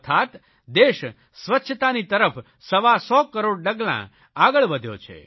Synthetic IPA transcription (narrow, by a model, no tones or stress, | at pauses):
t̪ʰat̪ | d̪eʃ | sʋətːʃʰət̪anit̪əɾəf | səʋasɔkəɾoɽɖəɡlã̰ | aɡəɭʋəd̪ʱjo̰t͡ʃʰḛ